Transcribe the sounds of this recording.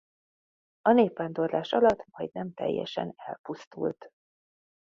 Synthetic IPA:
ɒneːpːaːnd̪orlaːʃɒlɒt̪mɒjd̪nɛmt̪ɛ̰jːɛ̰ʃɛnɛlpust̪ṵlt̪

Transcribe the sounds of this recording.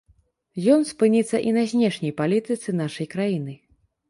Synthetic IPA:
jɔnspɨnʲit̪sːɐʔinɐzʲnʲɛʂnʲɐjpalʲit̪ɨt̪sɨnaʂɐjkɾajinɨ

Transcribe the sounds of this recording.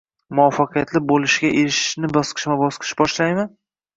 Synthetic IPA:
mʊɒfːaqʰɨjat̪lɪbolɪʃɡʲaʔeɾɪʃɪ̥ʃnɪbɒsqʰɨ̥ʃmabɒsqʰɨ̥ʃbɒʃlajmɪ

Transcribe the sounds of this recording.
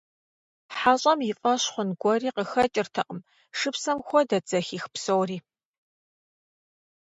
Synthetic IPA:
ħaːɕʼɐmjɪfʼɐɕχʷʊnɡʷɔriːqəxɐt͡ʃʼɪrtʰɐqʼəm | ʂɨpsɐmxʷɔdɐd͡zɐxiːxpsowriː

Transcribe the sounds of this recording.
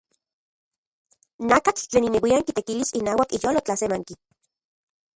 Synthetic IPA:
nakat͡ɬt͡ɬeːninewiaŋkit̪ekilisinaːwakijolot͡ɬasemaŋki

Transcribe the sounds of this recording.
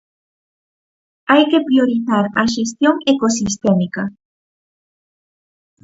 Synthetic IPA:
ajke̞pɾjo̞ɾiθaɾa̰ʃ̬es̬t̪jo̞ŋeko̞sist̪e̞mika

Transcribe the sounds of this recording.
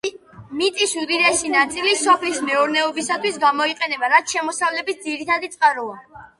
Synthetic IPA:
mit̪ʼisuɾiɾɛʃinat̪sʼilisɔpʰlismɛuɾnɛɔbisat̪ʰwisɡamɔiqʼɛnɛbaɾat̪ʃɛmɔsavlɛbisd̪ziɾit̪ʰad̪it̪sʼqʼaɾua

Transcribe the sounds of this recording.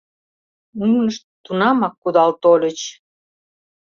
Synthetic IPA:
unəʃt̪t̪unɑmɑkːud̪ɑlt̪olʲə̆t͡ɕ

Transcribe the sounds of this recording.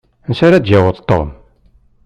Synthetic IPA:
nsaɾæd̪d͡ʒæwəðˤt̪ːo̰m

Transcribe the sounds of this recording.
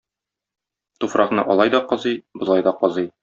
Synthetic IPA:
t̪ufɾʔɑχnɤʔɒlˠɑjd̪ɒqɒzɤjbŏlˠɑjd̪ɒqɒzɤj

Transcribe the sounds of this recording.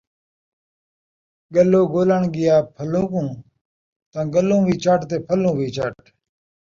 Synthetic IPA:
ɡəloːɡoːləɳɡɪjaːpʰəlõːkũː | t̪ãːɡəlõːʋiːt͡ʃaːʈt̪eːpʰəlũːʋiːt͡ʃaʈ

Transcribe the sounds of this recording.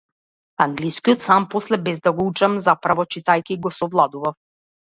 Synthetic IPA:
aŋɡliskijɔt̪sampɔslɛbɛzd̪aɡɔut͡ʃamzapɾavɔt͡ʃit̪ajkʲiːɡɔsɔvlˠad̪uvaf

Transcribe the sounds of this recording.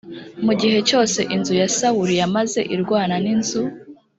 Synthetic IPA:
muɡiɦe̞t͡ʃo̞ːse̞ʔinzujasawuɾijamaze̞̰ʔiɾɡwaːnaninzu

